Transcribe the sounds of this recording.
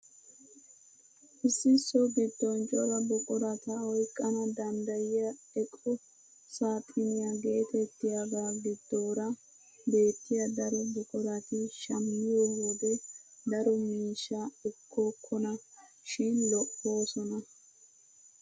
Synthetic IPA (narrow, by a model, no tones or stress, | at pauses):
ʔɪsːɪsɔɡɪd̪ːɔnt͡ʃʼɔɾɐbʊkʼʊɾɐt̪ɐɔjkʼːɐnɐd̪ɐnd̪ɐjɪjɐ | ɛkʼɔ | saːt̪ʼːɪnɪjɐɡe̞ːt̪ɛt̪ːɪjaɡaːɡɪd̪ːoːɾɐ | be̞ːt̪ːɪjɐd̪ɐɾɔbʊkʼʊɾɐt̪ɪʃɐmːɪjɔhod̪ɛd̪ɐɾɔmiːʃːaɛkʰːɔkʰːɔnɐ | ʃɪnlɔʔːo̞ːsɔnɐ